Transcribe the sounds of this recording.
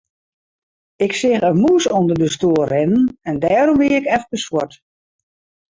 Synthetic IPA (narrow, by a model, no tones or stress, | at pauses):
ɪksɪxəmuəsondərdəstoːəːɪnənɛndɛːɾɔmʋɪːɪkɛfkəswɔt